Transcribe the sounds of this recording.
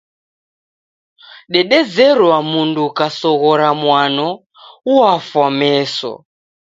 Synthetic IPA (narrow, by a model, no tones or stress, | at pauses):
ɗɛɗɛzɛɾwamundukasɔɣɔɾamwanɔ | uafwamɛsɔ̰